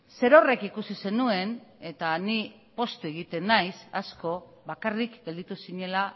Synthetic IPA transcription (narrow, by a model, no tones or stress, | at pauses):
se̞ɾo̞re̞kikusise̞nue̞ne̞t̪ani | po̞st̪ue̞ɣ̞it̪e̞nːajsasko̞ | βakarikɡe̞ld̪it̪usiɲe̞la